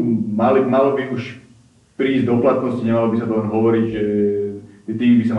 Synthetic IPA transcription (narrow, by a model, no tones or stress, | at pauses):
malimalɔbiuʃ | pɾiːzd̪ɔplat̪nɔsciɲɛmalɔbisat̪ɔlɛnɦɔʋɔɾiɟʒɛ | ʒt̪iːmbisam